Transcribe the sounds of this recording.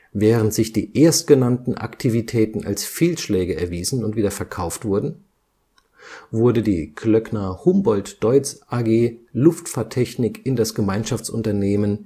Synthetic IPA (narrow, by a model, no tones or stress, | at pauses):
vɛːʁ̞əntz̥ɪçd̥ḭːʔeːɐst̚ɡ̥ənantn̩ʔa̰ktʰivitʰɛːtn̩a̰lsfeːlʃlɛːɡəɛɐviːzn̩ʊntviːdɐfɛɐkʰaʊftv̥ʊɐdn̩ | vʊɐdədiːkʰlœknɐhʊmbɔltd̥ɔʏt͡sʔaɡeːlʊftfaːɐtʰːɛçnɪkɪndasɡ̥əmaɪnʃaft͡sʔʊ̰ntɐneːmən